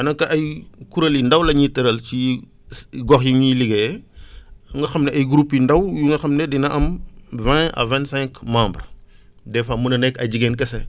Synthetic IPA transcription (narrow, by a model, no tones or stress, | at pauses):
ɐnɐŋkɐʔɐjkuɾɐlindɐwlɐɲitɐɾɐlt͡ʃi | ɡɔxjuŋɲiliɡɐ | ŋɡɐxɐmnɛʔɐjɡɾupjindɐwjuŋɡɐxɐmnɛdinɐʔɐmvɛ̃ɐ̰vɛ̃nsɛ̃ŋkmãːmbr | dɛfɐmunɐnɛkːɐɟiɡɛnkɐsɛ